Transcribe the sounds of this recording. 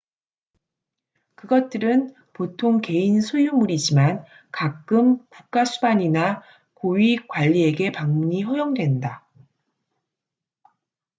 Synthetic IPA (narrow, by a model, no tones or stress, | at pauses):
kɯɡʌt̚t͈ɯɾɯn | potʰoŋke̞insʰojumuɾid͡ʑiman | kakk͈ɯmkuk̚k͈asʰubaɲina | koɥikwaʎːie̞ɡe̞paŋmuɲiɸojoŋdwe̞nda